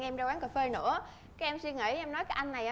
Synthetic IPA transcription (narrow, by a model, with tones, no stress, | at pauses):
ŋʔɛ˧mzaː˧waː˨˦ŋkaː˨˩fe˧nɨ̰˧˥ə | kaː˦˥k̚ʔɛ˧msi˧ŋə̰˧˩˦jʔɛ˧mnɔ˨˦jkaː˨˦jʔa˧jŋna˨˩jʔa˧